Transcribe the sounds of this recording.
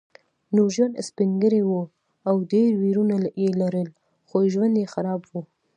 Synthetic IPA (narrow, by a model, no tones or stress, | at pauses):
nuʒanspɪŋɡəɾewu | awdeɾwiɾunaljelaɾəl | xoʒwand̪jexaɾɑbwu